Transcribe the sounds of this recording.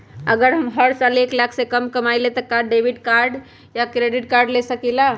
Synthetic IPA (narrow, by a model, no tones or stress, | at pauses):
əɡəɾɦəmɦəɾsaleklakʰsẽkəmkəmajlet̪əkaɖebʱiʈkaɾɖ | jakɾeɖiʈ̚kaɾɖlesəkila